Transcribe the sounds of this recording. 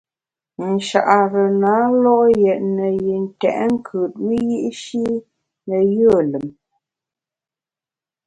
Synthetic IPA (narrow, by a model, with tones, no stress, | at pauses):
n̩˨ʃa̰˨ʔa˨ɾə˨naː˨˦lɔ˦ʔjɛ˨ʔnə˨ji˨n̩˨tɛ̰˨ʔŋ̩˦kʰə˨t̚mə˦ji˦ʔʃi˦ | nə˨jə˦˨lə˨m